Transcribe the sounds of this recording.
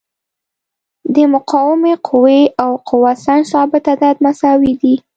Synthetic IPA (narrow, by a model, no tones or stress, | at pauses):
d̪əmʊqɑwɪmeqʰʊweawqʰʊwasansɑbɪt̪ad̪ɑd̪masɑwid̪i